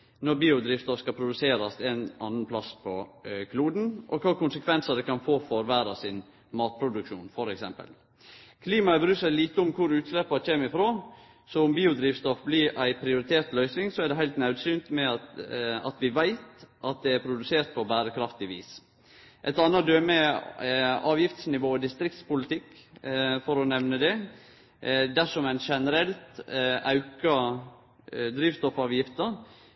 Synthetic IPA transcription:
nɔɾbiːʊd̪ɾiːʋst̪ɔfskɑpʰɾʊd̪ʉseːɾɑsɛnɑnːənpʰlɑspʰɔkʰluːd̪n̩ʔɔ̰kʰɑːkʊnsəkʰʋɛnsəd̪ɛkɑnfoːfɔɾʋæːɾɑsɪn | mɑːt̪̚pʰɾʊd̪ʉkʃṵːnfɔɾɛksɛmpə̰l | kʰliːmɑəbəɾʉːsæliːt̪əʊmkʰʊɾʉːt̪slɛpːɑçeːmɪfɾoː | sɔʊmbiːʊd̪ɾiːʋst̪ɔfblɪɾæɪpʰɾɪʊɾɪt̪ʰeːɾt̪lœʏsnɪŋsɔæɖ̪ɛɦæɪt̪nɑʉd̪syːnt̪mɛɑɑ̰t̪ʋɪʋæɪt̪ʔɑt̪̚d̪ɛæɾpʰɾʊd̪ʉseːɾt̪̚pʰɔbæːɾəkʰɾɑft̪ɪʋḭːs | ʔɛt̪ɑnːɑd̪øːmɛ | ɑːʋjɪft̪snɪʋoːd̪ɪst̪ɾɪk̚t̪spʊlɪt̪ʰɪkː | fɔɾɔnɛʋnəd̪ɛ | d̪æʂɔmæɪnʃɛnəɾɛlt̪ʔɑʉkɑ | d̪ɾiːʋst̪ɔfɑːʋjɪft̪əɾ

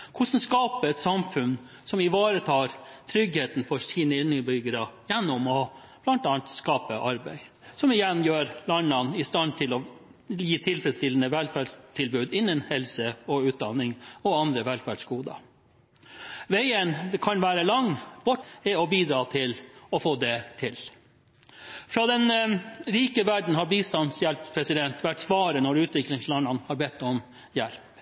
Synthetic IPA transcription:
kʰʊsn̩skɑːpəɛt̪sɑmfʉn | sɔmɪʋɑːɾət̪ʰɑːɾt̪ʰɾʏɡheːt̪nfɔsiːnəɪnːəbʏɡəɾɑjɛnːɔmɔ | b̥lɑnt̪ɑːnt̪skɑːpəʔɑɾbæɪ | sɔmɪjɛnjøːɾlɑnːɑnɪst̪ɑnt̪ʰɪlɔ | jiːt̪ʰɪlfɾɛst̪ɪlənəʋɛlfæɖʂt̪ʰɪlbʉːd̪ɪnːənhɛlsəɔʉːt̪̚d̪ɑnːɪŋɔɑnd̪ɾəʋɛlfæɖʂɡuːd̪ɑ̰ | ʋɛæɪənd̪ɛkʰɑnʋæːɾəlɑŋb̥ʊʈːɛɔbiːd̪ɾɑːt̪ʰɪlɔfoːd̪ɛt̪ʰɪl | fɾɑd̪ɛnɾiːkəʋæɖɳ̩hɑɾbiːst̪ɑnsjɛlppʰɾɛsɪd̪ɛnt̪ʋæʈːsʋɑːɾənɔɾʉːt̪ʋɪklɪŋslɑnːɑnhɑɾbɛt̪ːɔm | jɛlp

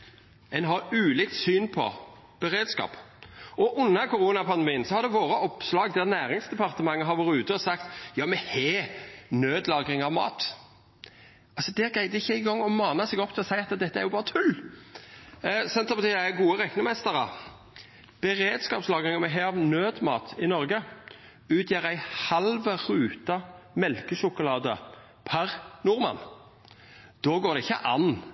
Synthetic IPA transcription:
ɛnɦɑɾʉːlɪkt̪syːnpʰɔ̰ | b̥əɾeːd̪skɑ̰ːpɔʔʊnːəɾkʊɾuːnɑpʰɑnd̪ɛmiːənsɔhɑɾd̪ɛʋoːɾəʔɔpslɑːɡd̪æʁnæːɾɪŋsd̪ɛpʰɑʁt̪əmɑŋːəɦɑʋɔɾɪʉːt̪əɔsɑkt̪jɑːmɛheːnøːd̪lɑːɡɾɪŋɑʋmɑ̰ːt̪ | ɑlsɔd̪ɛæɾɡʁæɪd̪ɛɪçːəɪɡɔŋːɔmɑːnəsɛːɡɔpːt̪ʰɪlɔsæɪɑt̪d̪ɛt̪ːəæɾjʊbɑːɾət̪ʰʉlː | sɛnt̪əbət̪iːæɡuːəʁɛknɪŋmɛst̪əɾə | b̥ɛɾeːd̪skɑːpslɑːɡʁɪŋəmɛɦeːɑʋnøːd̪mɑ̰ːt̪ʰɪnɔɾɡə | ʉːt̪ʰjæːʁæɪhɑlʋəɾʉːt̪ɑmɛlkəsʊkʊlɑːd̪ə | pʰæʁnʊʁmɑ̰n | d̪̥oːɡoːɾd̪ɛɪçːə̰ʔɑn

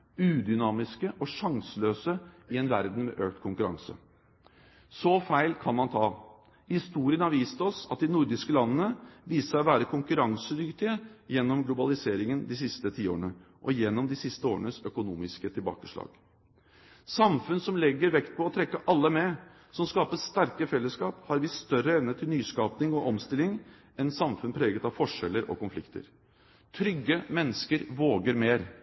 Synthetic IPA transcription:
ʉːd̪ʏnɑːmɪskəʔɔʂɑŋsəløːsəɪɛnʋæ̰ɾd̪n̩mɛ̰ʔøːk̚t̪kʰʊŋkʉɾɑ̰ŋsə̰ | sɔfæɪlkʰɑnmɑnt̪ʰɑː | hɪst̪uːɾɪənhɑɾʋiːst̪əɔsɑt̪̚d̪ɪnʊɾd̪ɪskəlɑnːənəʋiːsəɾɔʋæːɾəkʰʊŋkʉɾɑŋsəd̪ʏkt̪ɪəjɛnːɔmɡlʊbɑlɪseːɾɪŋənd̪ɪs̬ɪst̪ət̪ʰiːo̰ːəɳəʔɔjɛnːɔmd̪ɪsɪst̪əoːɾənəsœkʊnuːmɪskət̪ʰɪlbɑ̰ːkəʂɭɑ̰ːɡ̥ | sɑmfʉnsɔmlɛɡːəɾʋɛkt̪̚pʰɔɔt̪ʰɾɛkːəʔɑlːəmɛ | sɔmskɑːpəst̪æɾkəfɛlːəskɑːphɑɾʋɪsst̪œɾəɛʋnət̪ʰɪlnyːskɑːpnɪŋɔʔɔmst̪ɪlɪŋ | ɛnsɑmfʉnpʰɾeːɡət̪ɑʋfɔʂɛlːəɾɔ̰kʊnflɪ̰kt̪ə̰ɾ | t̪ʰɾʏɡːəmɛnːəskəɾʋoːɡəɾmeːɾ

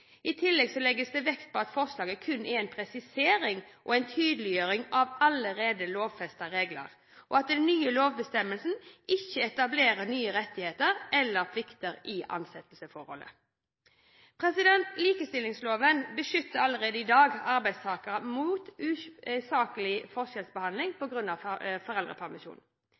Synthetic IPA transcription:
ɪt̪ʰɪlːɛɡsɔlɛɡəsd̪ɛʋɛkt̪̚pʰɔɑt̪fɔʁslɑːɡəkʰʉnːʔɛɛnpʰɾɛsɪseːɾɪŋʔɔ̰ɛɪnt̪ʰyːd̪əlɪjøːɾɪŋɑʋɑləɾeːd̪əloːʋfɛst̪ɑɾeːɡlə̰ʁ | ʔɔɑt̪̚d̪ɛnːyːəloːʋbəst̪ɛməlsn̩ɪçːəɛt̪ɑbleːʁənyːəʁɛt̪ːɪheːt̪əʁɛlːəʁpʰlɪkt̪əʁɪʔɑ̰nsɛt̪əlsəfɔɾhɔ̰lːə̰ | pʰʁɛsɪd̪ɛnt̪liːkəst̪ɪlːɪŋsloːʋənbəʃʏt̪ːəɑlːəɾeːd̪əɪd̪ɑːɡɑʁbæɪd̪st̪ʰɑːkəʁəmuːt̪ʉsɑːkəlɪfɔʁʃɛlsbəhɑnd̪lɪŋpʰɔɡɾʉnːɑʋfɔʁɛlʁə̰pʰæʁmɪʃṵːn

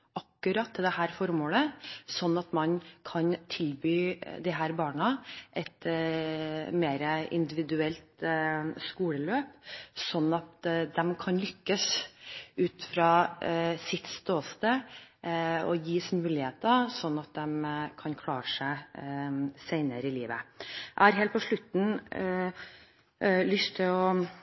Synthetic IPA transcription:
ɑkːʉɾɑt̪ʰːɛld̪ɛhæːɾfɔɾmoːləsɔnːɑt̪mɑnkʰɑnt̪ʰɪlbyːd̪ɪɦæːɾbɑːɳɑʔɛt̪ | meːɾəɪ̰nd̪ɪʋɪd̪ʉɛlt̪skuːləløːpsɔnːɑt̪d̪ɛmkʰɑnlʏkːəs | ʉːt̪fɾɑːsɪt̪st̪oːst̪ə | ɔ̰jiːsmʉːlɪheːt̪əsɔnːɑt̪̚d̪ɛmkʰɑnkʰlɑːɾəʂæɪ | sæɪnəɾɪlḭːʋə̰ʔæ̰ɪhɑɾɦeːlt̪̚pɔʂɭʉt̪n̩ | lʏst̪ʰːɪlɔ

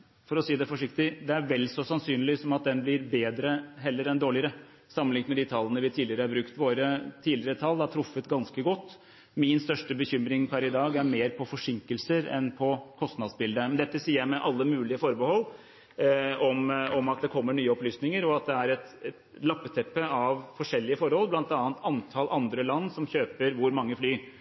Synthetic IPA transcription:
fɔɾɔsiːd̪ɛfɔʂɪkt̪ɪd̪ɛæɾʋɛlːsɔsɑnsyːnlɪsɔmɑt̪̚d̪ɛnblɪɾbeːd̪ɾəɦɛlːəɾɛnd̪oːɭɪəɾə | sɑmənlɪŋt̪mɛd̪it̪ʰɑlːənəʋɪt̪ʰiːlɪəɾəhɑɾbɾʉkt̪ʋoːɾət̪ʰiːlɪəɾət̪ʰɑld̪ɑʈ̪ʰɾʊfːət̪ɡɑnskəɡɔt̪ː | mɪnst̪œʂʈəbəçʏmɾɪŋpʰæɾɪd̪ɑːɡæɾmeːɾpʰɔfɔʂɪŋkəlsəɾɛ̰npʰɔkʰɔst̪nɑd̪sbɪld̪əmɛnd̪ɛt̪ːəsiːəɾjæɪmɛʔɑlːəmʉːlɪəfɔɾbəhɔlː | ɔmɔmɑt̪̚d̪ɛkʰɔmːəɳyːəɔplyːsnɪŋəɾɔɑt̪̚d̪ɛæɾɛt̪ɛ | lɑpːət̪ʰɛpːəɑʋfɔʂɛlːɪəfɔɾhɔlːblɑnt̪ɑːənt̪ɑnt̪ʰɑlʔɑnd̪ɾəlɑnːsɔmçøːpəɾʋʊɾmɑŋːəflyː

